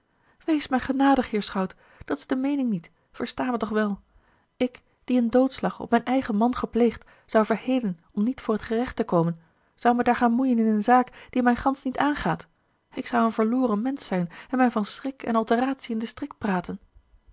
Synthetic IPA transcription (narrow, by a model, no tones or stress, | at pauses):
ʋejsmɛjχənaːdəχɦɪːɹsχɑwt | d̥ɑtɪ̥zdəmejnɪŋnit | fəɹstaːmətɔχʋɛlˠ | ɪk | d̥iəndowtslɑχɔ̰p̚mɛjnɛjχəmɑnχəplejχt | z̥ɑwvəɹhejdən | ɔmnitfʊːɹɦətχərɛχtəkowmən | z̥ɑwmɛəjdaːɹχaːnmujənɪnənzaːkd̥imɛjχɑnsnitaːnχaːt | ɪksɑwənvəɹlʊːrənmɛnsɛjnɛnmɛjvɑnsrɪkɛ̰nɑlˠtəraːtsiɪndəstrɪk̚t̚praːtən